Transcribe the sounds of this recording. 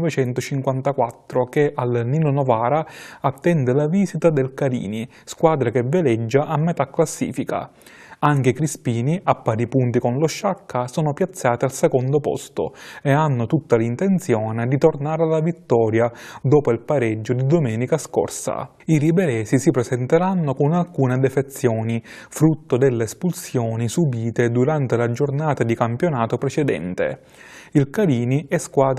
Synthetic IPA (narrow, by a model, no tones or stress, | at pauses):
vet͡ʃɛnt̪ʊt͡ʃiŋkwant̪akwat̪ːɾokeʔalnilonɔvaːɾaat̪ːɛnd̪ɪlaviːzit̪ad̪elkaɾḭːni | skwaːd̪ɾakevɪlɛd͡ʒːaʔamːet̪akːlasːḭːfika̰ | aŋk̟eikɾispiːniʔapːaːɾipunt̪ikonloʃːakʰːasɔːnopjat̪sːaːt̪ialsekond̪opɔ̰st̪ʊ̰eanːʊt̪ut̪ːalint̪ent̪sjɔːned̪it̪ornaːɾalːavit̪ːɔːɾjad̪ɔːpoilpaɾɛd͡ʒːod̪id̪omɛːnikasko̰rsa̰ | iɾibɛɾɛːsisipɾesɛnt̪eɾanːokʊnalkuːned̪ɛfet̪sːjɔːnifɾut̪ːod̪elːeːspulsjɔːnisubiːt̪ed̪uɾant̪elad͡ʒornaːt̪ad̪ikampjonaːt̪opɾet͡ʃɛd̪ɛ̰nt̪ḛ | ilkaɾiːniɛskwaːd̪